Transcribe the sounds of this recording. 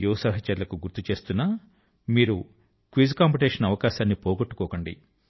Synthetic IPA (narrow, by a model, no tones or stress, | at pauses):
juːsaɦɐt͡ʃɐɾulɐkuɡuɾt̪ːut͡ʃe̞ːst̪unːaː | miːɾu | kʋiːd͡ʒkaːmpuʈeːʂɐnɐʋɐkaːʃaːnːipoːɡoʈːu̥kɔːkɐɳɖḭ